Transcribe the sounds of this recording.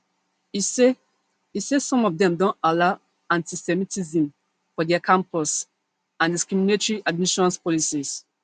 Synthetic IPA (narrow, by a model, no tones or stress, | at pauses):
ise | isesɔ̃mɔfdɛ̃mdõnala | ãntʰisɛmitʰizĩm | fɔdɛakʰãmpɔs | ãndiskɹiminetɹiʔad̚miʃɔ̃nspɔlisis